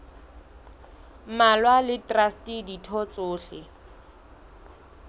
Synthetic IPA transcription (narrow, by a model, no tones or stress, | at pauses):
malwalɪtrastiditʰɔt͡sʼʊːɬɪ